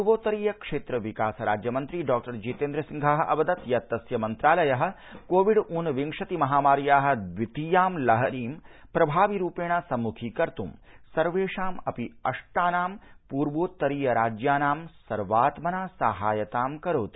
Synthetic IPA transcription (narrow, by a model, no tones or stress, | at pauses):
uɾʋoːt̪ɐɾiːjɐkʂeːt̪ɾɐʋikaːsɐɾa̰ːd͡ʒjɐmɐnt̪ɾiɖaːk̚ʈɐɾd͡ʒiːt̪eːnd̪ɾɐsiŋɡʱɐɦɐʔɐ̰bɐd̪ɐt̪jɐt̪ːɐsjɐmɐnt̪ɾaːlɐjɐɦɐ̆ | koːʋiɖuːnʋiŋʂɐt̪imɐɦaːmaːɾjaːɦɐ̆d̪ʋit̪ijaːmlɐɦɐɾiːmpɾɐbʱaːʋiɾuːpeːɳasɐmukʰiːkɐɾt̪umsɐɾʋeːʂaːmɐpiɐʂʈaːnaːmpuːɾʋoːt̪ːɐɾiːjɐɾaːd͡ʒjaːnaːmsɐɾʋaːt̪mɐnaːsaɦaːjɐt̪aːmkɐɾoːt̪i̥